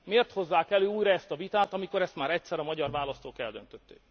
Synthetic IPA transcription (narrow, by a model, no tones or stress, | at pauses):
meːrt̪ho̞zːaːkɛløːuːjɾɒɛst̪ɒvit̪aːt̪ɒmiko̞ɾɛst̪maːɾɛt̪sɛɾɒmɒɟɒrvaːlɒst̪oːkɛ̰ld̪ønt̪øt̪ːe̥̰ːk